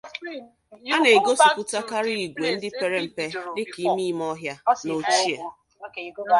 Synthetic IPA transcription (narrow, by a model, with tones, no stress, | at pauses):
a˦ne˨ɡo˦su˨kʊ˦ta˦ka˦ɾi˦˨ɡʷe˨n̩˦dɪ˦pe˨ɾe˦m̩˨pe˦lɪ˦ki˨˦mi˦m˦ɔ˦ɦja˦no˨t͡ʃi˦e˨